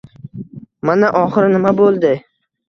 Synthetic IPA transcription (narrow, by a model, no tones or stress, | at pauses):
manaʔɒχɨɾnɪmabolˠd̪ɪ